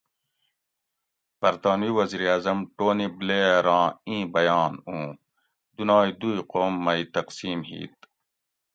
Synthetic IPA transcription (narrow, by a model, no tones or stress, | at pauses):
b̥ɐɾt̪aːnwiːwɐziːɾaːzɐmʈoːnibleːɾãːĩːbɐjɑːnũː | d̪unaːid̪uːiqoːmːɐit̪ɐqsiːmɦḭːt̪̚